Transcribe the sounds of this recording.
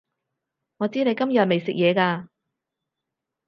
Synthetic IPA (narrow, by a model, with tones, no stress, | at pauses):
ŋɔː˨˧t͡siː˥ne˨˧jkɐ˥mjœː˨t̚me˨jsɪ˨k̚jɛː˨˧kaː˧